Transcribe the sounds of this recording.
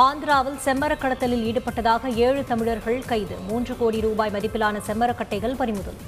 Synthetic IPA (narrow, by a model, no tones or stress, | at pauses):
aːnd̪ɪɾaːʋɐlsɛmːɐɾɐkːɐɽɐt̪ːɐlɪliːɽɯpːɐʈːɐðaːɣɐeːɻɯt̪ɐmɪɻɐɾɣɐɭkɐɪðɯ̰muːndrɯkoːɽiɾuːbaːjmɐðɪpːɪlaːnɐsɛmːɐɾɐkːɐʈːɐɪɣɐɭpɐɾɪmʊðɐ̰l